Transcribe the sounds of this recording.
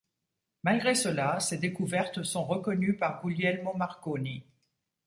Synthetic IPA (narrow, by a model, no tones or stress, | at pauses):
malɡʁesəlased̪ekuvɛʁt̪sɔ̃ʁəkɔnypaʁɡuljɛlmɔ̃maʁkoni